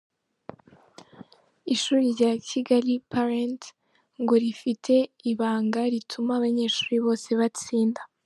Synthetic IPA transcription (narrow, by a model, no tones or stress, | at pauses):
iʃuːɾiɾɟacʰiɡaɾipaɾent | ŋɡo̞ɾifitʰe̞iβaːŋɡaɾitʰumaβaɲe̞ːʃu̥ːɾiβo̞ːse̞βat͡siːnda